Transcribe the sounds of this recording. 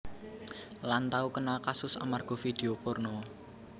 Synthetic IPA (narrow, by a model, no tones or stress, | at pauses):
lant̪aukənakasʊsa̰marɡ̥ɔ̤fid̪̥e̤opɔrnɔ